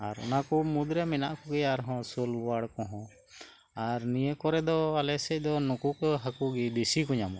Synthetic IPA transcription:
aɾɔ̰nakumud̪ɾɛmɛnaʔkɔɡɛaɾɦɔ̃sɔlwaɽkɔ̃ɦɔ̃ | aɾnijəkɔɾɛd̪ɔalɛsɛc̚ˀd̪ɔnukukɔɦakuɡɛd̪isikuɲamɔ̰

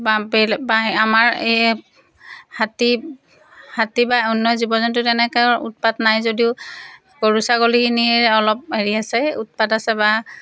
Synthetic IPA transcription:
babɛlbaamaɹe | hati | hatibaunːɔjzibɔzɔntʊtɛnɛkɔṵt̚patnajzodiʊ | koɹusaɡolikiniɛɹɛɔlɔp̚ɦeɹiasɛut̚padasɛba

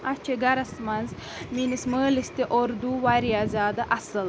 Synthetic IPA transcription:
ɐt͡ʃʰeɡɐɾɐsmɐnz | minisməːlist̪iʔoɾd̪uʋaɾijaːzʲaːd̪ɐʔɐsɨl

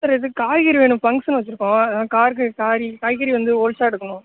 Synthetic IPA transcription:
sɐɾɐðɯkaːjɣɐɾiʋeːɳɯ̃mpɐŋɡsnɯʋɐt͡ʃːɪɾɯkːʊ̃ːɐðɐːakaːɾkːɯkaːɾikaːjɣɐɾiʋɐnd̪ɯɔɾɪt͡ʃːaːɛɽɯkːɐɳʊ̃

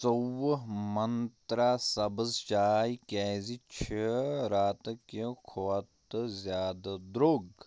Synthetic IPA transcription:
t͡sowɦmɐnt̪ɾaːsɐbəzt͡ʃaːjikeːzit͡ʃʰiɾaːt̪kekʰoːɐt̪zjaːd̪ad̪ɾoɡ

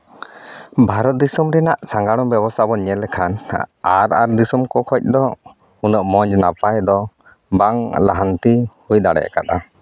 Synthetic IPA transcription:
bʱaɾɔt̪̚d̪isɔmɾɛnaʔsaŋɡaɽɔmbɛbɔst̪ʰabɔɲɛlɛkʰanaɾa̰ɾd̪isɔmkɔkʰɔc̚ˀd̪ɔ | unəʔmɔɲd͡ʒnapajd̪ɔ | baŋlaɦant̪ihujd̪aɽɛ̰ʔkat̪a

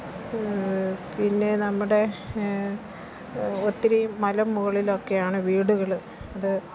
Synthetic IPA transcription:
pinːe̞nɐmːuɽe̞ | ot̪ːiɾɐjumːɐlɐmːuɣɐɭilo̞kːe̞jaːɳɨʋiːɽuɣɐɭ | ɐðɨ

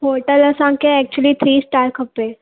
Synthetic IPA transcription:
ɦoːɾʈəlɐsãːŋkeɛːk̚t͡ʃuəlit̪ʰɾiːsʈaːʈ̚kəpːe

